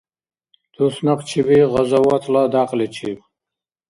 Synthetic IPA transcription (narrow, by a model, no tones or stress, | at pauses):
t̪ʰusnaqt͡ʃʰibiʁəzawat̪ʰlad̪aqlit͡ʃʰib